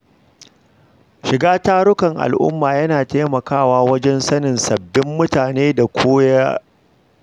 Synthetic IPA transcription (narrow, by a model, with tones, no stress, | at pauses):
ʃɪ˨ɡaː˦taː˦ɾʊ˦kɐ˨ŋʔa̰˨lʔʊ̰˦mːaː˨jɐ˦naː˨teː˦mɐ˨kaː˦˨waː˦wɐ˦d͡ʒɛ˦nsɐ˦nɪ˨nsɐ˨bːɪ˦mːʊ˦taː˨neː˦da˨kʷʰoː˦ja˦